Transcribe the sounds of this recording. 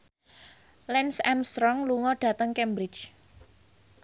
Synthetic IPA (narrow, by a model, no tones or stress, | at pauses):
lɛnsɛmst̪ɾɔŋluŋɔɖ̥ä̤t̪əŋkɛmbɾɪt͡ʃ